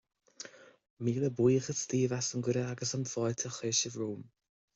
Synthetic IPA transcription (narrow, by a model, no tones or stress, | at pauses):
miːləbwiːxəst̪iːvasənɡʊɾəaɡəsəmfɔjt̪ʰəxeːʃəvɹuːm